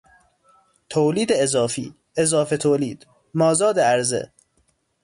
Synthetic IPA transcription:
t̪ʰoːliːd̪eezɒːfḭː | ezɒːfe̞t̪ʰoːliːd̪̥ | mɒːzɒːd̪eæɾzḛ

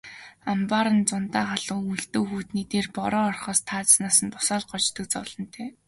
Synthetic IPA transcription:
ampaːɾə̆nt͡sʊnt̪aːχaɮʊːŋuɬt̪oːxuːt̪niːt̪eːrpɔɾɔːɔrχɔːst̪ʰaːt͡ssnaːsə̆np̪ʊ̥sɔːɮɢɔt͡ɕt̪ə̆k̚t͡sɔːɮ̥ɞ̆nt̪ʰeː

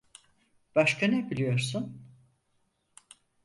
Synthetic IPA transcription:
b̥aʃkʰanebilʲijo̞ɾsun

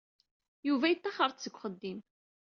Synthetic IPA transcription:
juvæjət̪ːɑχəɾˤt̪t͡sːəɡʷχəd̪ːim

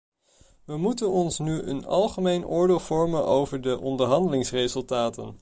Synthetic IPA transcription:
ʋəmutənɔnsnyə̰nɑ̰lˠχəmejnʔʊːɹdɪːlˠv̥ɔɹmənʔowvəɹdəʔɔndəɹɦɑndəlɪŋsrejzɵlˠtaːtə̰n

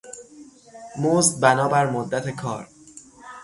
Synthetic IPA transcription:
moːzd̪̚bænɒːbæɾmod̪ːæt̪ʰe̞kʰɒ̰ːɾ

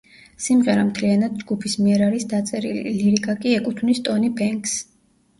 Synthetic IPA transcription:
simʁɛɾamt̪ʰlianad̪̚d͡ʒɡupʰismiɛɾaɾisd̪at̪sʼɛɾḭliiliɾikʼakʼiɛkʼut̪ʰnist̪ʼɔnibɛŋks

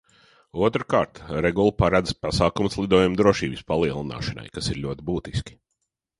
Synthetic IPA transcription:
uɔt̪ɾkaːɾt̪ɾeɡulˠpaɾad̪zpasaːkumslˠid̪uɔːjumd̪ɾuɔʃiːbispalˠiɛlˠina̰ːʃɐna̰jkasiɾlʲuɔt̪ibuːt̪iskʲi̥

